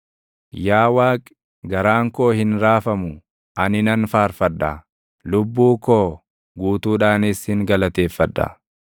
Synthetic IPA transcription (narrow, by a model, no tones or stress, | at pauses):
jaːwaːkʼ | ɡɐɾaːŋkoːhɪnɾaːfɐmʊ | ʔɐnɪnɐnfaːɾfɐᶑːɐ̰ | lʊbːuːkoː | ɡuːt̪uːᶑaːnɪshɪŋɡɐlɐt̪e̞ːfːɐᶑːɐ̰